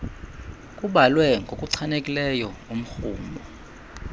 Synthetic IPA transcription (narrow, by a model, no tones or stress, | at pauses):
kʼuɓalwɛŋɡʱokʼuǀʰanekʼilɛjɔum̩xuːmbɔ